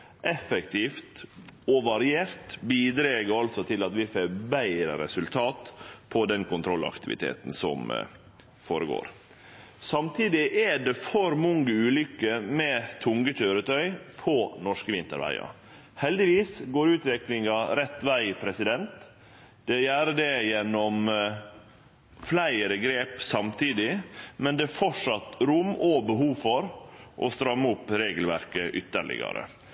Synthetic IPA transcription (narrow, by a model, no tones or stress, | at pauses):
ʔɛfɛkt̪ʰiːft̪ɔʋɑɾɪeːɾt̪biːd̪ɾeːɡəɾɑlsɔt̪ʰɪlɑt̪ʋɪfeːbæɪɾə̰ɾɛsʉlt̪ʰɑːt̪pʰɔd̪ɛnkʰʊnt̪ʰɾɔlɑ̰kt̪ɪʋɪ̰t̪ʰḛːt̪n̩sɔ̰m | foːɾəɡo̰ːɾ | sɑmt̪ʰiːd̪ɪʔæɖɛfɔɾmɔŋːəʉːlʏkːəmɛːt̪ʰʊŋɡəc͡çøːɾət̪ʰœʏpʰɔnɔʂkəʋɪnt̪ə̰ɾʋæ̰ɪɑ̰ | hɛld̪ɪʋiːsɡoːɾʉːt̪ʋɛklɪŋɑɾɛt̪ːʋæɪpʰɾɛsɪd̪ɛnt̪ | d̪̥ɛjæːɾəd̪ɛjɛnːɔm | flæɪəɾəɡɾeːpsɑmt̪ʰiːd̪ɪmɛnd̪ɛfɔʂɑt̪ɾʊmɔbəɦuːfɔɾʔɔ̰st̪ɾɑmːʊpːɾeːɡəlʋæ̰ɾkəʔʏt̪ːə̰ɭɪ̰ɡɑ̰ɾə̰